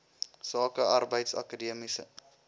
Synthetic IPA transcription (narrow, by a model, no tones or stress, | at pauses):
sɑːkəʔɐrbəjtsɐ̰kədiəmisə̰